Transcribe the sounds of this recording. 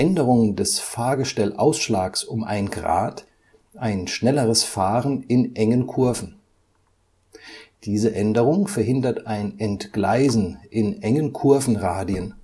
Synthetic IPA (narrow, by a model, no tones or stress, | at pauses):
ʔɛndəʁ̞ʊŋəndɛsfaɐɡəʃtɛlʔaʊsʃlaːksʊmʔa̰ɪnɡʁa̰ːt | ʔaɪnʃnɛləʁəsfaːʁənɪnʔɛŋənkʰʊɐvn̩ | d̥iːzəʔɛndəʁʊŋfɛɐɦɪndɐtaɪnɛntɡ̥laɪzn̩ʔɪnʔɛŋənkʰʊɐfn̩ʁaːdiən